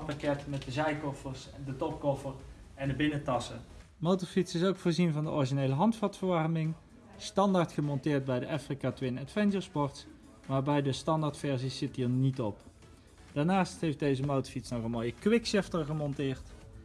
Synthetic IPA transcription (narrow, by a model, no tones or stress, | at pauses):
pakɛtmɛt̚dəzɛjkɔfəɹsdətɔp̚kɔfərɛndəbɪnətɑsə | mowtəɹfitsɪsowkfʊːɹzinvɑndəʔɔɹiʒinejləɦɑntfɑtfəɹʋɑrmɪŋ | stɑndaːɹtχəmɔntɪːɹt̚bɛjdəʔɛfrikaːtʋɪnɛtfɛnʒəɹspɔɹts | maːɹbɛjdəstɑndaɹtfɛɹziszɪtiːɹnitɔp | d̥aːɹnaːstɦejfdejzəmowtəɹfitsnɔχənmoːjəkʋɪkʃɪftəɹχəmɔntɪːɹt